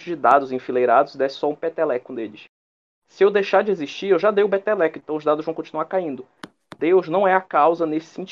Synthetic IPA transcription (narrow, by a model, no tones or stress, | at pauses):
ʊd͡ʒɪd̪ad̪ʊzĩfilejɾad̪ʊzid̪ɛsɪ̥sɔũpet̪ɛlɛkõd̪eʎɪs | sɪewd̪ejʃaɾd͡ʒɪeziʃt͡ʃiɾewʒad̪ejʊbet̪ɛlɛkẽnt̪ɐ̃w̃ʊzd̪ad̪ʊzvɐ̃w̃kõnt͡ʃinuaɾkaĩnd̪ʊ | d̪̥ewznɐ̃w̃ɛakawzɐnesɪ̥sẽt͡ʃ